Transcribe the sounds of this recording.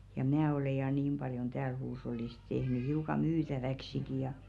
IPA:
jɑ mn̆æ ole jɑ niːm b̥ɑljon tæːl huːsh̞olːis tehny hiukɑ myːtæʋæksiki jɑ

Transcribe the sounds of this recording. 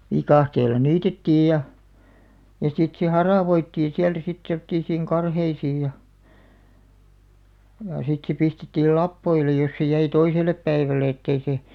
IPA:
ʋikɑˑhteːlˑɑ niːtetːiːj jɑ jɑ sit se hɑrɑˑʋoitːiːĩ siæltæ sit semŏtˑiːsiːŋ kɑrheisiːj jɑ jɑˑ sit se pistetːiːl lɑpːoile jos se jæi toiselˑep pæiʋæle etːei seˑ

